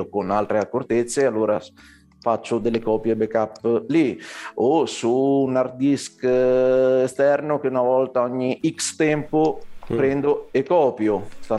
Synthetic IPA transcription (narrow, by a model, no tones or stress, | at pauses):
konalt̪ɾeakːort̪et̪sːealːoːɾa | fat͡ʃːʊd̪elːekɔːpjebekapːliosunard̪isk | ɛst̪ɛrnʊk̟eunavɔlt̪aɔɲːiʔikst̪ɛmpopɾɛnd̪oekɔːpjost̪a